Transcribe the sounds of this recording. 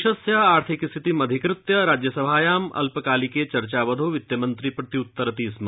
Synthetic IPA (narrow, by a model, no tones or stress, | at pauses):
ʃɐsjɐaːɾt̪ʰikst̪ʰit̪imɐd̪ʱikɾɪt̪jɐɾaːd͡ʒjɐsɐbʱaːjaːmɐ̰lpkaːliket͡ʃɐɾt͡ʃaːʋɐd̪ʱoːʋɪt̪jɐmɐnt̪ɾipɾɐt̪iʊt̪ːəɾɐt̪iːsm